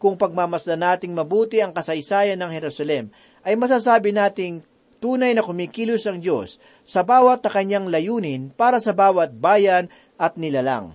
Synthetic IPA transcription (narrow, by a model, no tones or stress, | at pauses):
kʊŋpɐɡ̚mamɐslɐnaːt̪ɪŋmɐbuːt̪ɪɐŋkɐsɐjsaːjɐnɐŋhɛɾusɐlɛm | ʔɐjmɐs̬aːs̬aːbɪnaːt̪ɪŋ | t̪uːnɐjnɐkʊmiːkiːlʊsɐŋd͡ʒo̞̰sː | ɐbaːwɐt̪̚nɐkɐɲːaŋlɐjuːnɪnpaːɾɐsɐbaːwɐt̪̚baːjɐn | ʔɐt̪̚nɪlala̰ŋ